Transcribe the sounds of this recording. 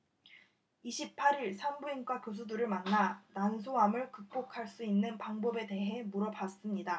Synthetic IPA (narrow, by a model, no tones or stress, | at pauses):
iɕʰip̚pʰaɾiɭsʰambuinkwakjos̬ʰuduɾɯɭmanːanansʰoɦamɯɭkɯk̚p͈okʰaɭs͈uinːɯnpaŋbʌbe̞te̞ɦe̞muɾʌbas͈ɯmɲida